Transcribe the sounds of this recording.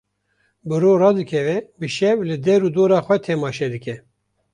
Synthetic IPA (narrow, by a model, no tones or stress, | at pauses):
bɨɾoːɾɑːd̪ɨkʰɛvɛbɨʃɛvlɨd̪ɛɾuːd̪oːɾɑːxʷɛt̪ʰɛmɑːʃɛd̪ɨkɛ